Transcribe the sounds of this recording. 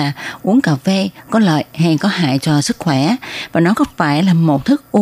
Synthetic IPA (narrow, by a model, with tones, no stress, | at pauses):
aː˨˩ʔu˨˦əŋkaː˧˩wve˧kɔ˨˦lə̰ː˧˨jha˧jkɔ˨˦ɦa̰ː˧˨jt͡ɕɔ˧sɨ˦˥k̚xwɛ˧˩vaː˨˩nɔ˨˦kɔ˨˦faː˧˩jlaː˨˩mo˨˩t̚t̪ʰɨ˦˥k̚ʔu˧